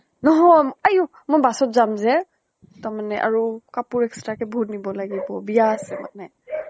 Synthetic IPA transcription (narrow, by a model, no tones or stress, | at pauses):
nɔɦɔjaju | mɔjbasɔtzamzɛ | tamanɛʔa̰ɹukapuɹɛkstɹakɛbʱutnibɔlaɡibɔbijasɛma̰nɛ